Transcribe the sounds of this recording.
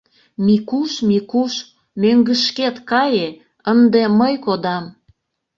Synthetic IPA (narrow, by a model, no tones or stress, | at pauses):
mikuʃmikuʃ | møŋɡəʃket̪kɑje | ənd̪eməjkod̪ɑm